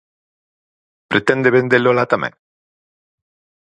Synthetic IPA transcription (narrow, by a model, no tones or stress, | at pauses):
pɾet̪ẽnd̪eβend̪elolat̪amḛ̃ŋ